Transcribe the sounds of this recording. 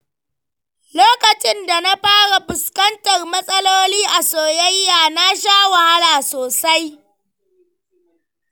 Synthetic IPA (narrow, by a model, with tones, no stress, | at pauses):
loː˦kɐ˨t͡ʃɪ˦nda˨na˦ɸaː˦ɽa˨bʊ˨skɐ˦ntɐ˨rmɐ˦sʼɐ˦loː˦liː˦ʔa˨soː˨jɐ˦jːaː˨na˦ʃaː˦wa˨ha˦laː˨soː˨sa˦j